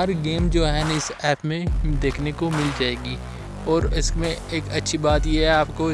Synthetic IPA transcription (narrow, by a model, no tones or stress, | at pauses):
ɦɐɾɡeːmd͡ʒoːɦɛnɪsɛːpmẽd̪eːkʰnekomɪld͡ʒaːeːɡiː | ɔːɾɪsmẽeːkɐtːʃʰibaːt̪jeɦɛaːpko